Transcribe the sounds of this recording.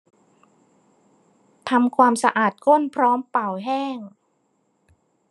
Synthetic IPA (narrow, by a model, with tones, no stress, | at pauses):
t̪ʰa˧mkʰwaː˧msa˧ʔaː˨˩t̪̚ko˥˩˨npʰɾɔː˦˥mpa˨˩wɦɛː˥˩ŋ